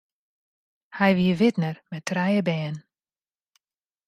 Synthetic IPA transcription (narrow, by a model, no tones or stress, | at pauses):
hɛjʋiəʋɪtnərmɛtʰrɛjəbɛːn